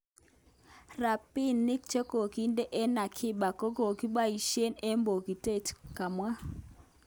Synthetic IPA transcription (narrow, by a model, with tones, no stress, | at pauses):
ra˨pi˦nːɪ˦k̚t͡ʃe˦ko˨ki˦nde˦ʔe˦na˨kʰɪ˦ɓa˨ko˦ɡo˨ki˦ɓa˦i˨ʃe˦ne˦mbo˨ɡi˨te˦˨tka˨mwa˦